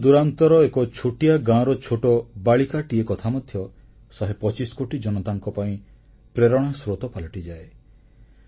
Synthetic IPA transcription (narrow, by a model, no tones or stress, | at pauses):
d̪uɾant̪ɔɾɔekɔt͡ʃʰoʈijaɡãɔ̃ɾɔt͡ʃʰoʈɔbaɭikaʈiekɔt̪ʰamɔd̪ʱjɔ | sɔɦepɔt͡ʃisɔ̥koʈid͡ʒɔnɔt̪aŋkɔpaĩ | pɾeɾɔɽ̃asɾot̪ɔpalɔʈid͡ʒae